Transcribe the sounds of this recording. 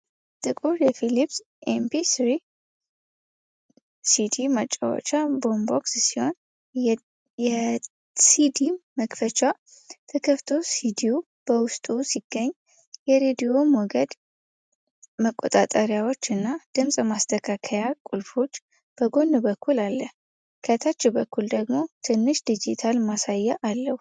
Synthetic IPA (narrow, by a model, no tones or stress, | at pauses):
t̪ʼɨkʼujɛfilips | ʔempʰisɾi | sid̪imat͡ʃʼːa̰wo̰t͡ʃabo̞mbokssiho̞n | ɛ | sid̪iməkfət͡ʃa | t̪ʰəkʰəft̪ʰo̞sid̪iu | b̥əwʊst̪ʼusiɡ̥ːəɲː | jɛɾed̪ijo̞mɔɡəd̪ | məkʼːo̰t̪ʼat̪ʼəɾjawo̞t͡ʃːɨnːad̪̥ɨmsʼmast̪ʰəkʰakʰəjakʼulfo̞t͡ʃː | b̥əɡo̞nːɨbəkʰːulalːəh | kʰət̪ʰat͡ʃːɛbəkʰːuld̪əɡmo̞t̪ʰɨnːɨʃd̪id͡ʒit̪ʰalmasajːɛʔalːəhu